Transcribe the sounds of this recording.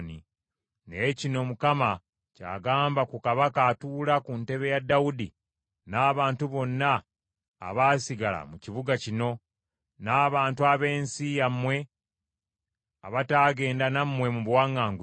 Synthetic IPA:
ni | necino̞mukama | ca̰ːɡaːmbakukaβakaːtuːlakunte̞βe̞jadːaudi | naːβaːntuβo̞nːa̰ː | βaːsiɡala̰muciβuɡacino̞ | naːβaːntuaβe̞ːnsijamwe̞ | aβataːɡe̞ːndanamːwe̞muβwaːŋːaːŋɡu

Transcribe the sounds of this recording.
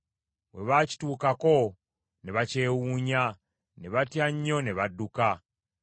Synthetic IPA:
we̞̰βaːci̥tuːkako̞ | ne̞βace̞ːwuːɲa | ne̞βatjaɲːo̞ne̞βadːuka

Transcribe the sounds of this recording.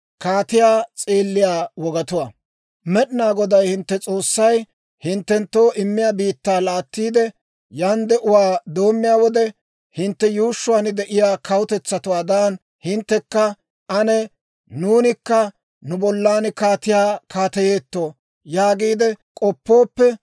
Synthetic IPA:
kaːt̪ɪjaːt͡sʼeːlːɪjaːwɔɡɐt̪ʊwɐ | mɛɗɪnaːɡɔd̪ɐjhɪnt̪ːɛt͡sʼo̞ːsːɐj | hɪnt̪ːɛnt̪ːo̞ːʔɪmːɪjaːbiːt̪ːaːlaːt̪ːiːd̪ɛ | jand̪ɛʔʊwaːd̪o̞ːmːɪjaːwɔd̪ɛ | hɪnt̪ːɛjuːʃːʊwaːnɪd̪ɛʔɪjaːkʰɐwʊt̪ɛt͡sːɐt̪ʊwaːd̪an | hɪnt̪ːɛkːɐ | ɐnɛ | nuːnɪkːɐ | nʊbɔlːaːnkaːt̪ɪjaːkʰaːt̪ɐje̞ːt̪ːo̞ː | jaːɡiːd̪ɛkʼɔpːo̞ːpːɛ

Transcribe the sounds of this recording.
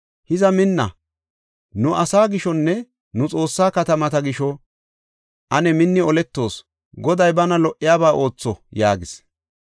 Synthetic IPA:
hɪzɐmɪnːɐ̰ | nʊʔɐsaːɡɪʃɔnːɛ | nʊt͡sʼo̞ːsːaːkɐt̪ɐmɐt̪ɐɡɪʃɔ | ʔɐnɛmɪnːɪɔlɛt̪ːo̞ːs | ɡɔd̪ɐjbɐnɐlɔʔːɪjaːbaːʔo̞ːt͡sːɔjaːɡɪs

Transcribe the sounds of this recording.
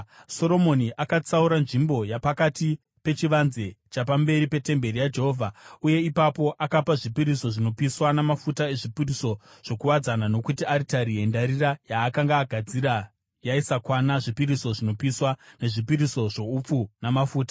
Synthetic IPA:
so̞ɾo̞mo̞niʔakat͡sauɾanʐimbo̞japakati | pe̞t͡ʃiʋanze̞t͡ʃapambe̞ɾipe̞te̞mbe̞rijad͡ʒe̞ɦo̞vʱauje̞ipapo̞ʔakapaʐipiɾiso̞ʐino̞piswanamafutae̞ʐipiriso̞ | ʐ̥o̞kuwad͡zanano̞kutiaɾitaɾie̞ndaɾirajaːkaŋɡaːɡʱad͡ziɾa | jaisakwanaʐipiɾiso̞ʐino̞piswane̞ʐipiɾiso̞ʐo̞up͡funamafuːtḁ

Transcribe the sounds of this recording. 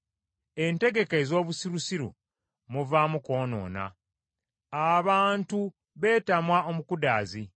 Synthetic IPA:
e̞nte̞ɡe̞kezo̞ːβusiɾusiɾṵ | muvaːmuko̞ːno̞̰ːna̰ | aβaːntu | βe̞ːtamwao̞mukudaːzi

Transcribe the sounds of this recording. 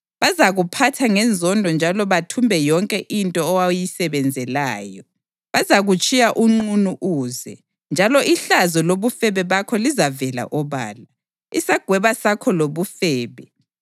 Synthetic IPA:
βazaɣupʰatʰaŋɛnd͡zʱɔndʱɔnd͡ʒʱalɔβatʰumbʱɛjɔŋkʼɛʔintʼɔːwajisɛβɛnd͡zʱɛlaːjɔ | βazaɣut͡ʃʼijaʔuŋ͡ǃunuʔuːzɛ̰ | nd͡ʒʱalɔʔiɬazɔloβufɛβɛβakʰɔlizavɛla̰ʔɔβa̰ːla | ḭsaɡ̥ʱwɛβasakʰɔloβufɛːβɛ

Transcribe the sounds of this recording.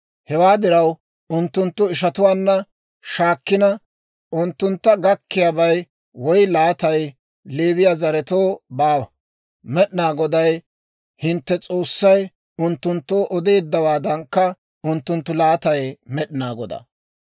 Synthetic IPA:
hɛwaːd̪ɪɾɐw | ʊnt̪ːʊnt̪ːʊɪʃ̬ɐt̪ʊwaːnːɐ | ʃaːkːɪnɐ | ʔʊnt̪ːʊnt̪ːɐɡɐkːɪjaːbɐj | wɔjlaːt̪ɐj | leːβɪjaːzɐɾɛt̪oːbaːɐ | mɛɗɪnaːɡɔd̪ɐj | hɪnt̪ːɛt͡sʼo̞ːsːɐj | ʊnt̪ːʊnt̪ːoːʔɔd̪eːd̪ːɐwaːd̪ɐŋkːɐ | ʊnt̪ːʊnt̪ːʊlaːt̪ɐjmɛɗɪnaːɡɔd̪ɐ̰

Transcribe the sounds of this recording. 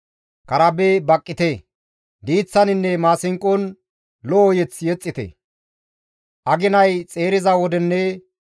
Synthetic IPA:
kɐɾɐbebɐkʼːɪt̪e | d̪iːt͡sːɐnɪnːɛmaːsɪŋkʼːɔn | lɔːjɛt͡sjɛt͡sʼːɪt̪ḛ | ʔɐɡɪnɐjt͡sʼe̞ːɾɪzɐwɔd̪ɛnːɛ

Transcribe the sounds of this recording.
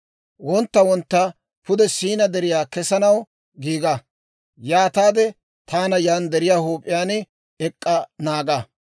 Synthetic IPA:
wɔnt̪ːɐwɔnt̪ːɐ | pʊd̪ɛsiːnɐd̪ɛɾɪjaːkɛsɐnɐw | ɡiːɡɐ | jaːt̪aːd̪ɛ | t̪ʰaːnɐjaːnd̪ɛɾɪjaːhuːpʼːɪjaːn | ɛkʼːɐnaːɡɐ

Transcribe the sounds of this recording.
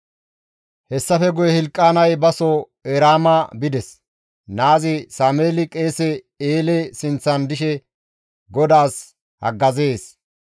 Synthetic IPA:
hɛsːɐfɛɡʊjɛhɪlkʼːaːnɐjbɐsɔ | ɛɾaːmɐbɪd̪ɛs | naːzɪsaːmeːlɪkʼe̞ːsɛ | eːlɛsɪnt͡sːɐnd̪ɪʃɛ | ɡɔd̪aːs | hɐ̰ɡːɐze̞ːs

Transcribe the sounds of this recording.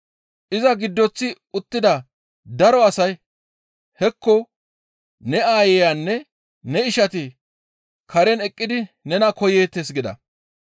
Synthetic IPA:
ʔɪzɐɡɪd̪ːɔt͡sːɪ | ʊt̪ːɪd̪ɐ | d̪ɐɾɔɐsɐj | hɛkːɔ | nɛaːjɛjanːɛ | nɛɪʃɐt̪ɪ | kɐɾɛnɛkʼːɪd̪ɪnɛnɐkɔjeːt̪ːesɡɪd̪ɐ̰

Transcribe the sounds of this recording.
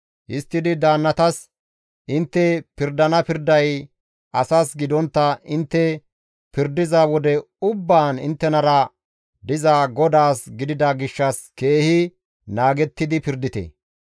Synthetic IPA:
ʔɪst̪ːɪd̪ɪd̪aːnːɐt̪ɐs | ʔɪnt̪ːɛpɪɾd̪ɐnɐpɪɾd̪ɐj | ɐsaːsɡɪd̪ɔnt̪ːɐɪnt̪ːɛ | pɪɾd̪ɪzawɔd̪ɛ | ʊbːaːnɪ̰nt̪ːɛnɐɾɐ | d̪ɪzaːɡɔd̪aːsɡɪd̪ɪd̪ɐɡɪʃːɐske̞ːhɪ | naːɡɛt̪ːɪd̪ɪpɪɾd̪ɪt̪ḛ

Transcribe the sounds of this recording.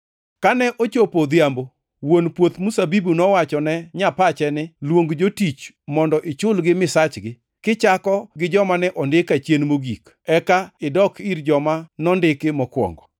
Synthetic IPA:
kanɛʔot͡ʃopod̪jambo | wonpwot̪musabibunɔwat͡ʃɔnɛɲapat͡ʃɛnɪlwoŋɡd͡ʒotit͡ʃ | mɔndɔʔɪt͡ʃʊlɡɪmɪsat͡ʃɡɪ | kɪt͡ʃakɔɡɪd͡ʒɔmanɛʔɔndɪkat͡ʃjenmoɡik | ɛkaɪdɔkʰiɾd͡ʒɔmanɔndɪkɪmɔkwɔ̰ŋɡɔ

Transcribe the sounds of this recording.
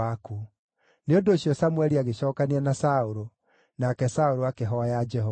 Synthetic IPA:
aku | neondoːɕjɔsamwɛɾiaɣeɕɔːkaneanasaoɾo | nakɛsaoɾoakeɦɔajad͡ʒɛɦɔ

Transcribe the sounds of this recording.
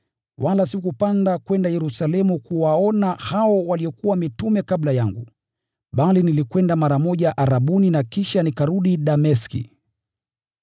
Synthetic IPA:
wʔalasikupandakwɛndajɛɾusalɛmukuwaɔnahaɔwaliɔkuwamitumɛkaɓlajaŋɡṵ | ɓalinilikwɛndamaɾamɔʄaʔaɾaɓuninakiʃanikaɾuɗiɗamɛskḭ

